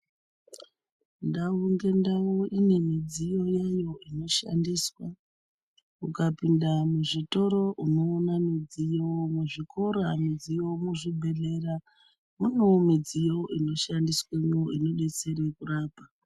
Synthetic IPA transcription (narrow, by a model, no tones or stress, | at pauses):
ndauŋɡe̞ndaoine̞mid͡zijo̞jajo̞ino̞ʃa̰ndiːswa | ukapindamuʐito̞ɾo̞ʔuno̞ːnamid͡zijomuʐikʰo̞ɾamid͡zijo̞muʐibʱe̞ɮe̞ra | munomid͡zijo̞ʔino̞ʃandisweɲoino̞ɗe̞t͡se̞ɾe̞kuraːpa